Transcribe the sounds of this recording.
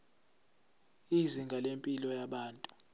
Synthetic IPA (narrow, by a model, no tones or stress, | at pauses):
iziŋɡʱalempʼilɔjaɓaːntʼu